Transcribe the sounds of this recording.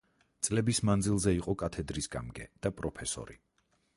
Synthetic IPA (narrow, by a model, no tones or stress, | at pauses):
t̪sʼlɛbismand̪zilˠzɛiqʼɔkʼat̪ʰɛd̪ɾisɡa̰mɡɛ̰d̪̥apʼɾɔpʰɛsɔ̰ɾḭ